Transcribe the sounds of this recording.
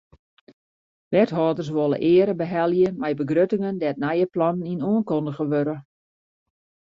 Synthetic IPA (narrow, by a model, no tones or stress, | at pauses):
ʋɛtɦɔːdərs̬ʋolˠə̰ʔɪəɾəbəɦɛlˠjəmɛjbəɡrøtɪŋəndɛtnɛjəplɑnn̩inoənkɔndəɣəʋøɾə